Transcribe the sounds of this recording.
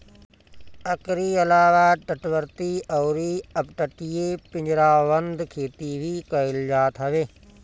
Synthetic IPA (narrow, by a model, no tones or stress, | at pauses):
əkɾiːəlaːʋaːʈəʈʋəɾt̪iːʔɔːɾiːəpʈəʈijeːpɪ̃ɲd͡ʒɾaːʋənd̪kʰeːt̪iːʋiːkəɪld͡ʒaːt̪ɦəʋeː